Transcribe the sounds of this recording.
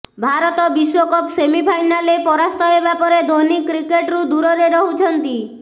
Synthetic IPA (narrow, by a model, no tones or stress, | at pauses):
bʱaɾɔt̪ɔbiʃwɔkɔpsemipʰajnalepɔɾast̪ʰɔebapɔɾed̪ʱonikɾikeʈɾud̪uɾɔɾeɾɔɦut͡ʃʰɔnt̪i